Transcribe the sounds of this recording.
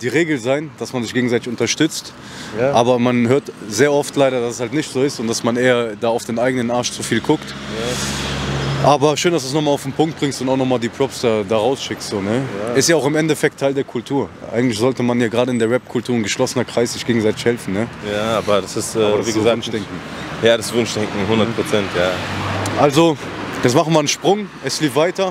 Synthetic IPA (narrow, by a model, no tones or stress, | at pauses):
d̥iːʁeːɡl̩zaɪnd̥asmanzɪçɡ̥eːɡŋ̩zaɪtɪ̥çʊntɐʃtʏt͡st | ʔaːbɐmanɦøːɐtzeːɐɔftlaɪɾɐdasɛshaltnɪçtz̥oːɪstʊntd̥asmanʔeːɐdaːaʊfd̥eːnʔaɪɡənənʔaɐʃt͡sufiːlkʰʊkt | ʔaːbɐʃøːndasd̥uːs̬nɔχmaːlaʊfnpʰʊŋk̚t̚b̥ʁɪŋstʊntaʊxnɔχmaːldiːpʰʁ̥ɔpsd̥aːdaːʁaʊsʃɪkstz̥oːnəɪstjaːaʊxɪmɛntɛfɛk̚tʰːaɪldeːɐkʰʊltʰuːɐʔa̰ɪɡŋtlɪçz̥ɔltəmanjaːɡʁaːdəɪndeːɐvɛp̚kʰʊltʰuːɐnɡəʃlɔsənɐkʁ̥aɪsz̥ɪçɡ̥eːɡŋ̩zaɪtɪçhɛlfn̩nəjaaːbɐdasɪstɛvizaːnd̥ɛŋkŋ̩ | jaːdasvʊnʃd̥ɛŋkŋ̩hʊndɐtpʁ̥ot͡sɛntjaːʔalzo | jɛt͡smaχn̩viːɐənʃpʁ̥ʊŋ | ɛsliːfvaɪtɐ